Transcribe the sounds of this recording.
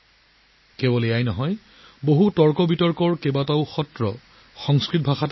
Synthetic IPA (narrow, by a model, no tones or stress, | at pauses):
kɛbɔleajnɔɦɔj | boɦutɔɹkɔbitɔɹkɔɹkɛbataʊxɔtɹɔ | xɔŋskɹit̚bʱaxat